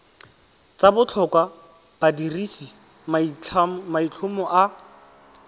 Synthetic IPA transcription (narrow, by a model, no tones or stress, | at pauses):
t͡sabʊt͡ɬʰɔkwa | b̥adirisi | mait͡ɬʰʊmɔʔa